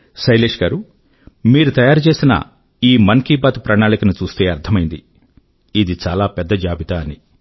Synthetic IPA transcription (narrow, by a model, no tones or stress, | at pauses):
ʃɐjleːʂɡaːɾu | miːɾut̪ɐjaːɾut͡ʃe̞ːsinɐ̰ | iːmɐŋkiːbaːt̪upɾɐɳaːnikɐnut͡ʃuːst̪e̞ːɐɾt̪ʰɐmɐjind̪i | id̪it͡ʃaːlaːpɛd̪ːɐd͡ʒaːbit̪aːni